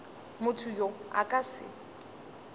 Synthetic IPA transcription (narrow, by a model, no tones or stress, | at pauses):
mʊtʰʊjoa̰kʼasɪ̰